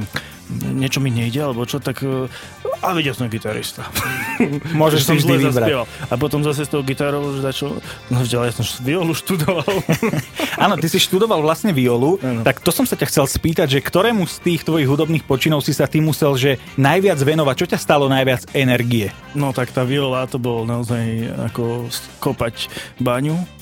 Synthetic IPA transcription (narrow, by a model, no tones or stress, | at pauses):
ɲɛt͡ʃɔmiɲɛiɟɛalɛbɔt͡ʃɔt̪ak | aʋɛɟɛlsɔmɛɡit̪aɾḭst̪a | mʊɔʒɛʃsivʒzld̪ɛʋziasbɾapɪɛʋalap̬ɔt̪ɔmzas̬ɛst̪ɔɦʊɡit̪aːɾɔʋɔʒd̪at͡ʃɔvɟalɛjasɔmʃʋiɔluʃt̪ud̪ɔʋal | aːnɔt̪isiʃt̪ud̪ɔʋalʋlasɲɛʋiɔluant̪akt̪ɔsɔmsacaxt͡sɛlspiːt̪aɟʒɛkt̪ɔɾɛːmust̪iːxt̪ʋɔjiɣɦud̪ɔbniːxpɔt͡ʃinɔʊsisat̪imusɛlʒɛ | najʋɪad͡zʋɛnɔʋac̚t͡ʃɔcast̪alɔnajʋɪad͡zɛnɛɾɡiɛ | nɔt̪akt̪aːʋiɔlat̪ɔbɔlnaɔzaja̰kɔskɔpacbaɲu